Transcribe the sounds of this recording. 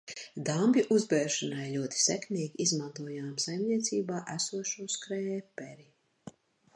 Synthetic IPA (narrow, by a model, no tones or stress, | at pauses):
d̪ambʲjuʔuzbɛːɾʃanajlʲuɔt̪i̥sɛkmʲiːɡʲiizmant̪uɔjaːmsajmnʲiɛt̪siːbaːʔæsuɔʃuɔskɾɛjɛːpɛɾi